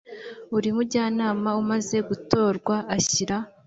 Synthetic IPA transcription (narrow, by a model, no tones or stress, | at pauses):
uɾimubɟaːnaːmaumaze̞ɡuto̞ːɾɡwaːçiɾa